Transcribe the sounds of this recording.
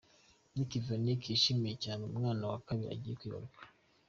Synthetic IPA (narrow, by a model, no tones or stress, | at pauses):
nikivanikʰiʃimijecaːneumŋaːnawakaβiɾḭa̰ɟijekwiːβa̰ɾukḁ